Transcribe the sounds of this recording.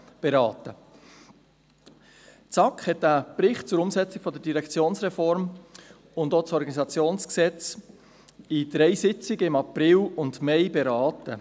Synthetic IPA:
b̥eɾɑːtə | t͡sɑkχhɛtːapɾɪχtt͡sʊɾʊmsɛt͡sɪɡ̥fɔd̪ədiɾɛkt͡sjoːnsʁɛfɔɾm | ʊndosɔɾɡɑnisɑt͡sjoːnsksɛt͡s | ɪd̪̥ɾɛɪsɪt͡sɪɡəɪmɑprɪlʊndmɛɪbeɾɑːtə

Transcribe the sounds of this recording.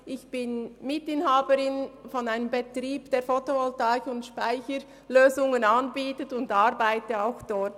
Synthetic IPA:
ʔɪçb̥ɪnmɪtɪnhaːbəɾɪnfɔnaɪnəmbetɾiːbd̥eːfotoɔltaːçʊntʃpaɪçəɾ | løːzʊŋənɑnbiːtətʊndɑɾbaɪtəaʊxd̥ɔt

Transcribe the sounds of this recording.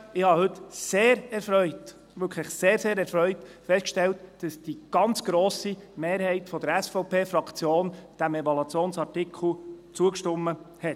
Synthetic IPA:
ɪhɑhɵt̪seːɾɛɾfɾœʏt | ʋʏkʰχlɪχseːɾseːɾɛɾfɾœʏtfɛstkʃtɛltd̥ɑsd̥iɡ̥ɑnt͡sɡ̥ɾoːsimeːɾhɛɪtfɔd̪əɾæsfɔwpeːfɾɑkʰt͡sjoːnd̥æmɛvɑlɑt͡sjoːnsɑrtɪkʰl̩t͡suəkʃtʊmːə | hɛt

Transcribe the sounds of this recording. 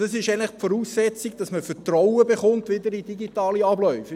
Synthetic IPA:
ɑsɪʃɛnləχfɔɾuːsːɛt͡siɡd̥ɑsməfətrɔwəbeχʊnt̪ʋɪdəɾidiɡitɑːliɑblœʏfə

